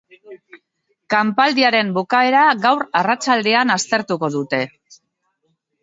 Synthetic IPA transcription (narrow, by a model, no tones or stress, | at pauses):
kampald̪iaɾe̞mbukae̞ɾaɣawɾarat͡sald̪e̞anast̪e̞ɾt̪uko̞ðut̪e̞